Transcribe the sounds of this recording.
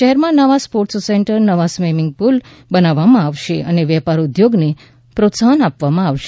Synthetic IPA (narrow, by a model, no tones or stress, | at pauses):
ʃɛɦɛɾmãnəʋaspoɾʈsseɳʈəɾnəʋasmemiŋɡ̚pul | bənaʋamãaʋʃeʔəneʋɛpaɾud̪joɡne | pɾot̪saɦənapʋamãaʋʃe̥